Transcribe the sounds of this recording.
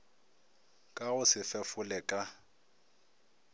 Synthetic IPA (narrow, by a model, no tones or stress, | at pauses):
kʼaɣʊsɪfɛfʊlɛkʼa